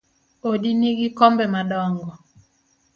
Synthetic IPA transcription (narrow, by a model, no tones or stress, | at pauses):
odiniɡikɔmbɛmaɗɔŋɡɔ